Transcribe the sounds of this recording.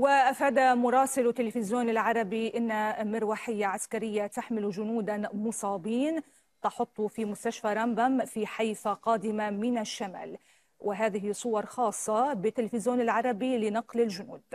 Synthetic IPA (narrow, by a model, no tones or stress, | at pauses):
wɪʔafaːd̪amʊɾˤɑːsɪlt̪ːɪlɪfɪzjoːnɪlʕɑɾˤɑbiʔɪnːamɪɾwaːħɪjːaʕaskaɾɪjːat̪aħmɪlʒʊnuːd̪amʊsˤɑːbiːn | t̪ɑħʊt̪ˤːʊfimʊst̪aʃfaɾˤambamfiħajfaqɑːd̪ɪmamɪnaʃːama̰ːl | wʔɪɦaːðɪɦisˤʊwɑɾˤxɑːsˤːɑbɪt̪ːɪlfɪzjoːnɪlʕɑɾˤɑbilɪnɑqlɪlʒʊnuːd̪̥̚